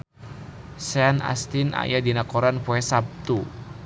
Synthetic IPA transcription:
sɛana̰st̪inʔa̰jadinakɔɾanpuɛsab̚t̪u

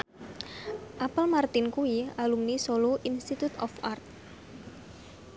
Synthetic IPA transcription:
ʔapəlmart̪ɪnkuialumnisoloʔinst̪it̪ut̪ɔfart̪̚

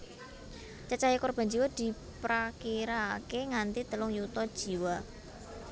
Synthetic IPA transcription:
t͡ʃat͡ʃajakɔrb̥a̤nd͡ʒiwad̪̥i̤ | pɾakiɾakeŋant̪it̪əlʊŋjut̪ɔd̥ʒ̥i̤wa

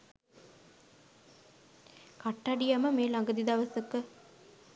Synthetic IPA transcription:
kɐʈːɐɖijaməmeːlɐŋɡəd̪id̪ɐʋɐsɯkːə

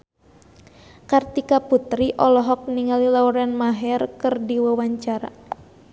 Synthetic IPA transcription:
kart̪ikaput̪ɾiʔɔlɔɦɔk̚niŋalilauɾɛnmaɦɛrkɨrdiwawaɲt͡ʃaɾa̰

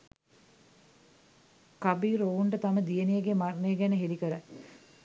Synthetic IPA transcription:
kabiːɾouɳʈət̪aməd̪ijənijəɡemarnejəɡænəɦelikəɾə

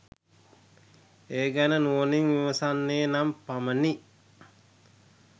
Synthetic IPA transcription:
eːɡænənuoniŋʋiʋɐsanːeːnampaməni

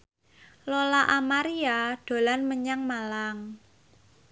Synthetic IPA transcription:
lolaʔamaɾiaɖ̥o̤lanməɲaŋmalaŋ

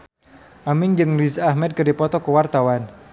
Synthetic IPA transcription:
ʔamɪŋd͡ʒɨŋlizahmɛd̪̚kədipɔt̪ɔkəwart̪awan

